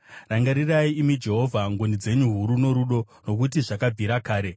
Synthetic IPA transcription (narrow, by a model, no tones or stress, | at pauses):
raŋɡaɾiraiimid͡ʒe̞ɦo̞vʱaŋɡonid͡ze̞ɲuɦuɾuno̞ɾuɗo̞ | no̞k̬ut̬iʐakab͡vʱiɾakaːɾe̞